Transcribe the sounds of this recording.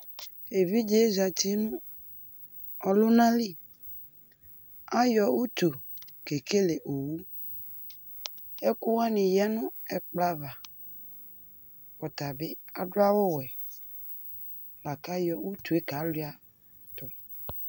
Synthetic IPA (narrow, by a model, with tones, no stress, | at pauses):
e˨vi˦d͡ʒe˦za˨t̪i˦nʊ̃˦ | ɔ˨lʊ˦nã˦li˦ | a˦jɔ˨wu˦t̪u˨ | ke˨ke˦le˨ʔo˨wu˦ | e˦kʊ˦wa˦nɪ̃˨jɛ˦nʊ̃˦ɛ˦k͡pla˦va˨ | ɸɔ˨t̪a˨be˦a˨dʊ˦a˦wʊ˦wɛ˨ | la˨ka˦jɔ˨wu˦t̪u˨e˦ka˨˦lʊ˦a˦ | t̪ʊ˨